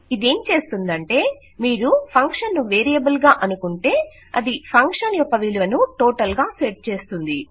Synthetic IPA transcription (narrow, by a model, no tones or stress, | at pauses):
id̪e̞ːmt͡ʃe̞ːst̪und̪ɐɳʈe̞ː | miːɾupʰɐŋkʂɐnːuʋeːɾijɐbɐlɡaːʔɐnukuɳʈe̞ː | ɐ̰d̪ipʰɐŋkʂɐnjɔkːɐʋiluʋɐnuʈoːʈɐlɡaːseɾʈ̚t͡ʃe̞ːst̪und̪i